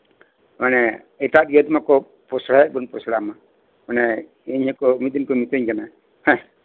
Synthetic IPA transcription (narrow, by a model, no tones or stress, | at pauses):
manɛ | ɛtat̪jɔd̪makɔ | pɔsɾajɛʔ̚bɔnpɔsɽama | manɛ | iɲɛkɔmit̪̚d̪inkɔmit̪əɲkana | hɛ̃